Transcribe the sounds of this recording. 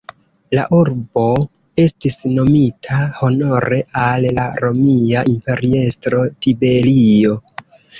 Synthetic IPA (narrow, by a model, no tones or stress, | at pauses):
la̰ʔuɾbo̞ | e̞stisno̞mitʰaho̞no̞ɾe̞ʔallaɾo̞miaʔimpe̞ɾie̞stɾo̞tibe̞lio̞